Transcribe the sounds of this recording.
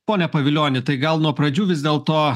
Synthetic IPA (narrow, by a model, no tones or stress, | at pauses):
poːnʲɛpɐʋʲɪlʲoːnʲɪt̪ɐɪɡɐlˠnuɔpɾɐd͡ʒʲuːʋʲɪzʲd̪ʲeːlˠt̪oː